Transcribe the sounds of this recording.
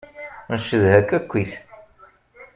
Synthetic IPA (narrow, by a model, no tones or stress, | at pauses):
nəʃəðhækːækʷːiθ